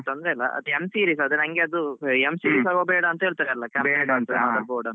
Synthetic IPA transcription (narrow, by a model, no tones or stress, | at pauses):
t̪ond̪ɾelːɐʔɐ̰t̪emsiːɾiːsɐd̪unɐŋɡeɐd̪uemsiːɾiːsaːɡobɛːɽɐːnt̪ɐɦeɭt̪aːɾeɐlːɐkɐmeʈaɐnt̪ɐãd̪ɐboːɖɐn